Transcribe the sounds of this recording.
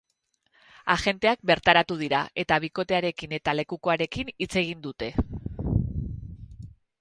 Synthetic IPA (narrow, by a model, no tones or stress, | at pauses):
aʝe̞nt̪e̞ak̚be̞ɾt̪aɾat̪uð̞iɾa̰e̞t̪aβ̞iko̞t̪e̞aɾe̞kine̞t̪ale̞kuko̞aɾe̞kinit͡se̞ɣ̞ind̪ut̪e̞